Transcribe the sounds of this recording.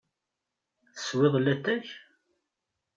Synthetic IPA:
θə̥swɪðˤlːæt̪ːæç

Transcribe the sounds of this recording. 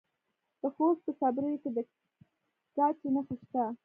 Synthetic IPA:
d̪̥əxost̪̚pəsɑbɾəjoked̪ə | t͡ʃɑt͡ʃenəxəʃt̪a

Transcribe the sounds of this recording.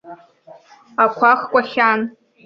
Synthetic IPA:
akʷʰaχkʷʼaχʲan

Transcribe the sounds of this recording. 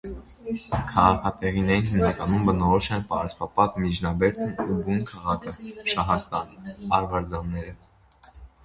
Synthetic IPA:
kʰɑʁɑkʰɑt̪ɛʁinɛɾinɦimnɑkɑnumbənɔɾɔʃɛnpɑɾspɑpɑt̪mid͡ʒnɑbɛɾt̪ʰunubunkʰɑʁɑkʰəʃɑɦɑst̪ɑnɑɾvɑɾd͡zɑnːɛɾə

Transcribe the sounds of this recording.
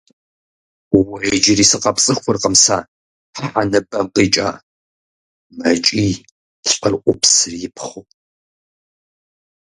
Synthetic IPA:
wɐd͡ʒɪriːsɨqɐpt͡sʼɨxʷʊrqəmsaː | ħħanɨbɐmqiːt͡ʃʼa̰ː | mɐt͡ʃʼiː | ɬʼqərʔʷʊpsɨrjɪpʰχʷʊpʼ

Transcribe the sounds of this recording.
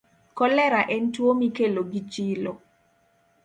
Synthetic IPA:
kɔlɛɾaʔɛntwomikeloɡit͡ʃilo

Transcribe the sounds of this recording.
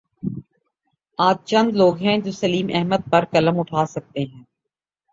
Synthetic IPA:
aːd͡ʒt͡ʃɐ̃nd̪loːɡɦɛ̃d͡ʒoːsɐliːmɛɦməd̪̚pɐɾkɐləmʊʈʰaːsɐk̚t̪eɦɛ̃ː

